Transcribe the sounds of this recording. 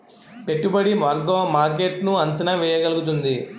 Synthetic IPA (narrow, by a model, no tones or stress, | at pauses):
peʈːubɐɽimɐɾɡoːmaːɾk̬eːʈnuɐɲt͡ʃɐnɐʋɛːjɐɡɐluɡut̪̬und̪i